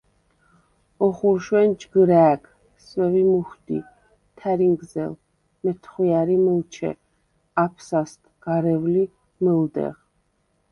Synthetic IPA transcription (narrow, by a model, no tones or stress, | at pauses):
ɔχuɾʃwɛnd͡ʒɡɾæːɡ | swɛvimuxd̪ḭ | t̪ʰɛɾiŋɡzɛ̰l | mɛt̪ʰχwiaɾimɛlt͡ʃʰɛ̰ | apʰsast̪ʰɡ̥aɾɛvli | mɛld̪ɛ̰ʁ